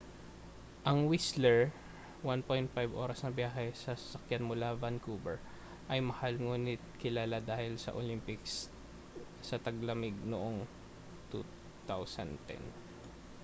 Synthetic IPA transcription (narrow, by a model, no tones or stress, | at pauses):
ʔɐŋwislɛɹ | wanpojnt̪̚fajbʔo̞ːɾɐsnɐbjaːɦɛsɐsɐ̥sɐkjanmʊlavankuːbɛɹ | ʔɐjmɐhalŋuːnɪt̪̚kɪlaːlad̪aːhɪlsɐ̰ʔolimpɪks | sɐt̪ɐɡlɐmɪɡ̚noʔoŋ | t̪u | t̪awsɐ̰nt̪ɛ̰n